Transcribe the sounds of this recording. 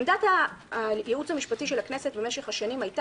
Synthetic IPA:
mdatha | jeut͡shamiʃpatiʃelakne̞se̞tbemeʃe̞χhaʃanimhajt

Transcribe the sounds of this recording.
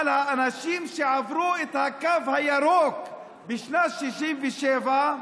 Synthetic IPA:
lhaanaʃimʃeʕavɾuet̪hakavhajaɾok | biʃnaʃiʃimveʃeːva

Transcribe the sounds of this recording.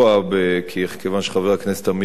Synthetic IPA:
abekʰikevanʃe̥χavaknese̥t̪hami

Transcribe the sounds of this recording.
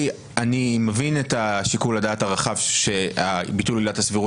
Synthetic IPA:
animevinetaʃikuladaːtaʁaχavʃe̞abitulilathasviʁu

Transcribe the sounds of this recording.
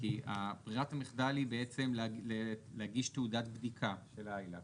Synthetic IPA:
kia̰bʁiatamiχd̪alibeet͡se̞mlleleaɡiʃteudatbd̪ikʰaʃelajla

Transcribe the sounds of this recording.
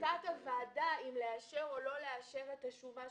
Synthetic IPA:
katavaːdaimleaʃe̞ʁo̞lo̞leaʃe̞ʁet̪aʃuva

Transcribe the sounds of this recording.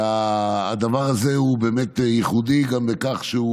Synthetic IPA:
aːd̪avaʁazeubeːmet̪jiχud̪iɡambekaχʃeu

